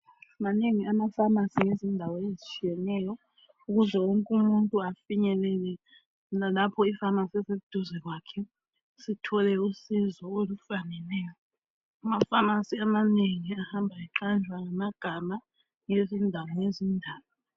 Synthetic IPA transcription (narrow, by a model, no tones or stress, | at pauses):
maneŋiamafamasiŋezindʱawɔezit͡ʃʼʰijɛnɛjɔ | uɣuzɛwoŋkʼumuntʼuafiɲɛlɛlɛ | lapʰɔifamasɛseud̥ʱuzɛɣwaːkʰɛ | sitʰɔlɛusizɔolufanɛnɛːjɔ | amafamasiamaneŋiahambʱaiǁand͡ʒʱwaŋamaɡ̥ʱama | ŋezindʱawɔŋezindʱaːwɔ